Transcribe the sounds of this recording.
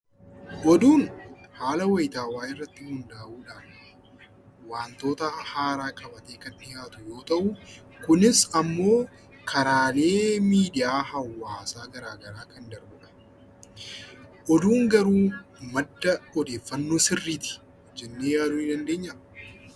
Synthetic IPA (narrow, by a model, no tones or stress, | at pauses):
ʔɔd̪uːnhaːlɐwɐjt̪aːwaːʔɪrːɐt̪ːɪhʊnd̪aːʔuːᶑaːn | waːnt̪o̞ːt̪ɐhaːɾaːkɐbɐt̪e̞ːkɐnɪjaːt̪ʊjo̞ːt̪ɐʔʊ | kʊnɪsɐmːo̞ː | kʰɐɾaːle̞ːmiːd̪ɪjaːhɐwːaːsaːɡɐɾaːɡɐɾaːkɐnd̪ɐɾbʊᶑɐ̥ | ʔɔd̪uːŋɡɐɾuːmɐd̪ːɐɔd̪eːfːɐnːoːsɪrːiːt̪ɪ̥ | d͡ʒɛnːeːjaːd̪uːnɪd̪ɐnd̪e̞ːɲːɐ